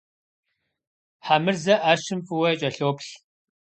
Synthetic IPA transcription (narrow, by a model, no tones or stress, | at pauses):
ħamɨrzɐʔaːʃɨmfʼɨwɐjɛt͡ʃʼɐɬoːpɬ